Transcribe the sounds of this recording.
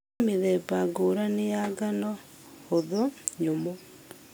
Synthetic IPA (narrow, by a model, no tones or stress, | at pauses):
miðɛpaɡoːɾanejaɡanɔ | oðoɲomo